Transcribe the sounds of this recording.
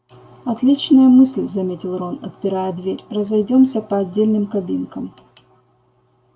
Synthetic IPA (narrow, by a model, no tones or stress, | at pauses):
ɐt̪lʲit͡ɕnəjəmɨsʲlʲzɐmʲetʲɪlˠronɐt̪̚pʲɪɾajəd̪vʲeɾʲrəzɐjdʲo̞msʲəpɐɐdʲːelʲnɨmkɐbʲinkəm